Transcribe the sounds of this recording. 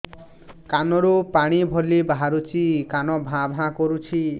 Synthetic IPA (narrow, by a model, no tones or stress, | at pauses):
kanɔɾupaɽ̃ibʱɔlibaɦaɾut͡ʃʰikanɔbʱãbʱãkoɾut͡ʃʰi